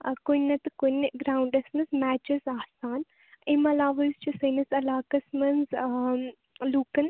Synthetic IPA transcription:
konɐt̪ɨkonɡɾaːwɳɖɐsnɐsmaːt͡ʃɐzaːsaːn | imɐlaːʋɐjst͡ʃʰisɐnɐsɐlaːkɐsmɐnz | luːkɐn

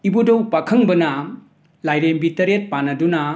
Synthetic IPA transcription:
ibudɔwpakʰɐŋbɐnɐ | lajɾembitɐɾet̚panɐdunɐ

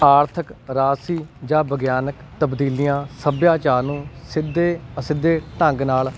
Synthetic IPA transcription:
aːɾt̪ʰəkɾaːsiːd͡ʒãːbəɡjaːnəkt̪əbd̪iːlijãːsəbjaːt͡ʃaːɾnũːsɪd̪eːəsɪd̪ːeːʈə̃ŋɡnaːl

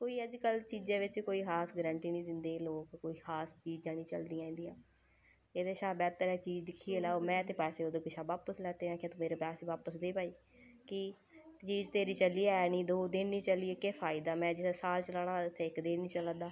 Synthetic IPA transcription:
koːiːəd͡ʒkəlt͡ʃiːd͡ʒãːʋɪt͡ʃkoːiːɦaːsɡɾəɳʈiːnĩːd̪ɪnd̪eːloːkkoːiːhaːst͡ʃiːd͡ʒãːnĩːt͡ʃə̰ld̪iːãːĩːnd̪iːãː | eːd̪eːʃaːbɛːt̪əɾɛːt͡ʃiːd͡ʒd̪ɪkʰːiːeːlaːomɛ̃ːt̪eːpɛːseːoːd̪oːkɪʃʰaːbaːpəslɛːt̪eːãːkːt̪omeːɾeːpɛːseːʋaːpəsd̪eːpaːiː | kɪ | t͡ʃiːd͡ʒt̪eːɾiːt͡ʃəliːɛːnĩːd̪oːd̪ɪnnĩːt͡ʃəliːeːkeːpʰaːɪd̪aːmɛ̃ːd͡ʒɪsaːlt͡ʃəlaːɽ̃ãːt̪ʰeːɪkd̪eːnnĩːt͡ʃəlãːd̪aː

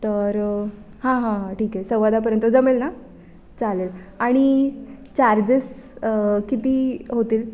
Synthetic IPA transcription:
t̪əɾ | hãɦãɦãʈiːkɛsəʋʋad̪ap̬əɾjənt̪əd͡zəmelna | t͡salelaɽ̃it͡ɕaɾd͡ʑes | kit̪iːɦot̪iːl

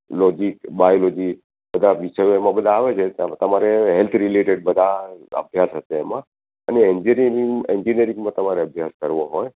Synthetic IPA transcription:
lɔd͡ʒikbajolod͡ʒi | bəd̪ʱaʋiʃəjoemãbəd̪ʱãːʋet͡ʃʰet̪əmaɾeɦelt̪ʰɾileʈeɖ̚bəd̪ʱaə̰bʱjasɦəseːmã | ə̰neɛɲd͡ʒiɾiiŋeɲd͡ʒiniəɾĩŋɡmãt̪əmaɾeəbʱjaskəɾʋoɦoj

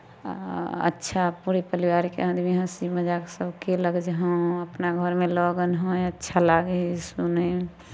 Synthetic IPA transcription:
ə̰tːʃʰapuɾepəɾiwaɾikḛãd̪miɦə̃siməd͡ʒaksəbkeləɡd͡ʒɦə̃əpnaɡʱəɾmelɔɡənɦə̃jətːʃʰalaɡəisunə

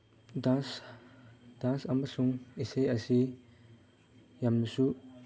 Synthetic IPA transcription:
dans | d̥ansamɐsuŋisejɐsi | jamnusu

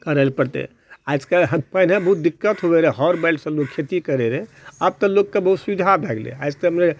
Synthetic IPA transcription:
kəɾəlpəɾt̪ɛ̰ | ajskeɦpənẽbəɦut̪̚d̪ikːət̪ɦobeɾɛɦɔɾbɛlɖsə̃loɡ̚kʰet̪ikəɾeɾɛ | ab̚t̪ɔloɡkːebəɦut̪suid͡ʒʱabʱɛɡlḛaɪskemne

